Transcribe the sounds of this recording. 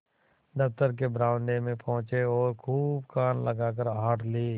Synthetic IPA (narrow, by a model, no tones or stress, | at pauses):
d̪əft̪əɾk̬ebɾãːʊ̃ɳɖemẽpʰɔ̃ɦʊ̃t͡ʃeɔːɾkʰuːbkaːnləɡaːk̬əɾɦaːʈʰliː